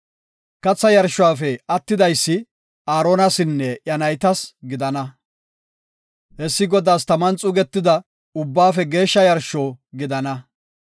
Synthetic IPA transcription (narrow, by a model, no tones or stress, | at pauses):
kɐt͡sːɐjɐɾʃʊwaːfɛɐt̪ːɪd̪ɐjsːɪ | aːɾoːnɐsɪnːɛʔjɐnɐjt̪ɐsɡɪd̪ɐnɐ | hɛsːɪɡɔd̪aːst̪ɐmɐnt͡sʼʊɡɛt̪ːɪd̪ɐ | ʊbːaːfɛɡe̞ːʃːɐjɐɾʃo̞ːɡɪd̪ɐnɐ